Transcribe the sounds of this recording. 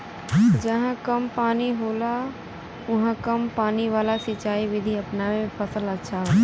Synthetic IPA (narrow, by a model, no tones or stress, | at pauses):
d͡ʒəɦãkəmpaːniɦoːla | ʊɦãkəmpaːniʋaːlasɪt͡ʃaːiʋɪd̪ʱiəpnamepʰəsələʃʰaɦo